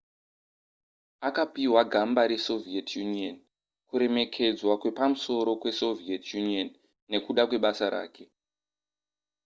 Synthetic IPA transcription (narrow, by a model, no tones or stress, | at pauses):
akapiwaɡʱambaɾe̞so̞vietjunion | kuɾe̞me̞kʰe̞d͡zwakwe̞pamuso̞ɾo̞kwe̞so̞vietjunionː | e̞kuɗakwe̞ɓasaɾa̰ːkʰe̞